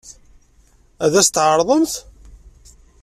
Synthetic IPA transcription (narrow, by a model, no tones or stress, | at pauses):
æðæst̪ʕəɾˤðˤəmθ